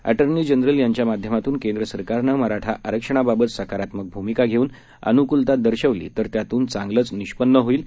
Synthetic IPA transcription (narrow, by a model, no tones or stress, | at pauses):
æ̰ʈəɾniːd͡ʑənɾəljaɲt͡ɕjamad̪ʱjəmat̪uːnkẽnd̪ɾəsəɾkaɾnəməɾaʈʰaʔəɾəkʂəɳ̃ababət̪səkaɾat̪məɡ̚bʱumikaɡʱeuːn | ə̰nukult̪ad̪əɾɕəʋlḭːt̪əɾt̪jat̪uːnt͡sãŋɡlət͡sniɕpənːəɦoiːl